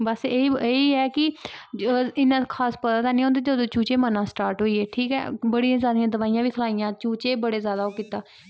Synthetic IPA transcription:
bəseieːiɦɛːkɪ | ɪnãːkʰaːspəd̪aːt̪aːnĩːɦõːnd̪eːd͡ʒəd̪õːt͡ʃuːt͡ʃeːmənãːsʈaːɾʈɦoːiːeːʈʰiːkɛ̰ːbəɽijãːzjaːd̪ɪjãːd̪əʋaːijãːʋiːkʰəlaːijãːt͡ʃuːt͡ʃeːbəɽeːzjaːd̪aːoːkɪt̪aː

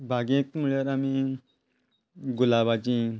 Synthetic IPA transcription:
bʱaɡẽk̚muɭjeɾami | ɡulabat͡ɕĩ

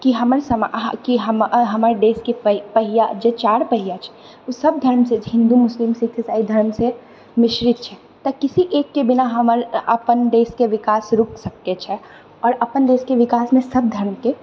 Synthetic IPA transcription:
kiɦɐməɾsɐmaɦkiɦɐmɦɐmaɾɖeːskeppɐɦɪjad͡ʒet͡ʃaːɽpɐɦɪjat͡ʃʰɛ̥ | osɐb̚d̪ʱɐɾmseɦɪ̃nd̪umʊslimsit̪ʰesaːid̪ʱɐɾmse | mɪʃɾɪt̪̚t͡ʃʰɛ | t̪ɐkɪsiʔeːkːebɪnaɦɐməɾɐ̰pənɖeːskeʋɪkaːsɾʊksɐkːet͡ʃʰɛ | ɔːɾɐpənɖeːskeʋɪkaːsmẽsɐb̚d̪ʱɐɾmke

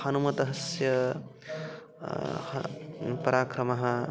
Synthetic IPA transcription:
hɐnumɐt̪ɐɦɐsjɐ | hpɐɾʔaːkɾɐmɐɦɐ

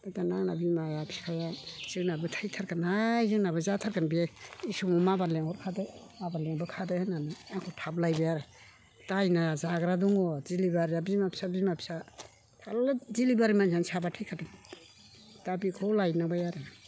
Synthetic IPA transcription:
b̥ajdanaŋnabimajapʰi̥kʰajaz̥ɯŋnabɯtʰajtʰaɾkanajzɯŋnabɯzatʰaɾkanbieisɔmɔmabaleŋɔɾkʰadɯ | abaleŋbɯkʰadɯhananɯaŋkʰɔtʰablajbajaɾɯ | tajnazaɡɾaduŋɔzilibaɾabimapʰi̥sabimapʰi̥sa | tʰalzilibaɾimansansabatʰɯjkʰadɯ | d̥abikʰɔlajnabajaɾɯ

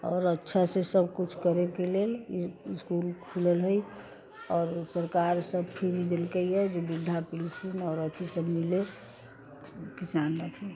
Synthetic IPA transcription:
ɔːɾətːʃʰasesəb̚kut͡ʃʰkəɾekeleliskulkʰuləlɦəj | ɔːɾsəɾkaɾsəb̚pʰiɾid̪elkəiɛd͡ʒebid̪ʱːapilt͡ʃʰinɔɾət̪ʰisəbmile | kisanːət̪ʰi

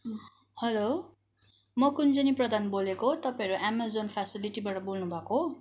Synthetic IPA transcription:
hʌlo | mʌkund͡zʌniprʌd̪ʱanbolekot̪ʌpãĩɾuʔamazonpʰasiliʈibaʈʌbolnubʱʌko

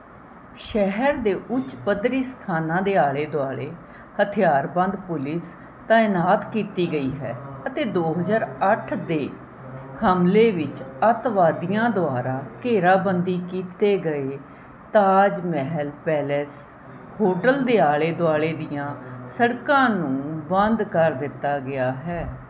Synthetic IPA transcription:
ʃɛɦəɾd̪eːʔʊt͡ʃpəd̪ɾiːst̪ʰaːnãːd̪eːaːɭeːd̪oaːɭeː | hət̪ʰɪjaːɾbə̃nd̪pʊlɪs | t̪ãːɪnaːt̪kiːt̪iːɡəiːɦɛ̰ːət̪eːd̪oːɦəzaːɾəʈʰd̪eː | həmleːʋɪt͡ʃət̪ʋaːd̪ɪjãːd̪ʊaːɾãːkeːɾaːbənd̪iːkiːt̪eːɡəeː | t̪aːd͡ʒmɛɦlpɛːlɛs | hoːʈəld̪eːaːɭeːd̪ʊaːɭeːd̪ɪjãːsəɽkãːnũːbə̃nd̪kəɾd̪ɪt̪ːaːɡɪaːɦɛː

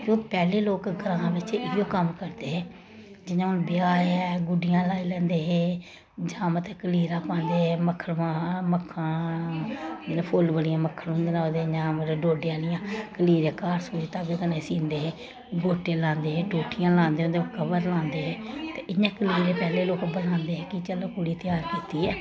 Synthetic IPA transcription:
kjõːkpɛːleːloːkɡəɾãːbɪt͡ʃɪjoːkəmkəɾd̪eːɦɛː | d͡ʒɪɲãːʊnbɪjaːɛːɡʊɖɪjãːlaːiːlɛ̃ːnd̪eːɦeː | d͡ʒãːmət̪ɛːkəliːɾãːpãːnd̪eːɛːməkʰːəlʋãːməkʰːãː | elːpʰʊlbəɽɪjãːməkʰːəlɦʊ̃nd̪eːnãːd̪eːd͡ʒãːməɾɖoːɖɪjãːlɪjãːkəliːɾeːkaːɾsuːd͡ʒit̪aːɡt̪ənẽːsĩːnd̪eːɦeː | ɡoːʈeːlãːnd̪eːɦeːʈuːʈʰɪjãːlãːnd̪eɦõːnd̪eːkʰəbəɾlãːnd̪eːɦɛːt̪eːʔɪɲãːkəliːɾeːpɛːleːloːkbəlãːnd̪eːɦɛːkit͡ʃələkuɽiːt̪ɪjaːɾkiːt̪iːɦɛː

